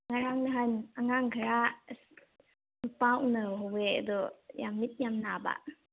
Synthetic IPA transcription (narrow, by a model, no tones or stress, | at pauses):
ŋaɾaŋniɦajnaŋaŋɡʱaɾa | mupawnaɦɔwea̰d̪ɔja̰mːit̪̚jamnaba̰ʔ